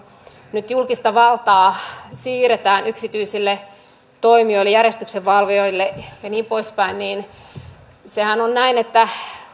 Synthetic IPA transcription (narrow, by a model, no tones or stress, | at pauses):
nyt̪julkist̪ɑʋɑlt̪ɑːsiːret̪æːnyksit̪yisilːe | t̪oimioilːejærest̪ykseʋʋɑlʋioilːejɑniːmpoispæinniːn | sehænonnæinet̪ːæ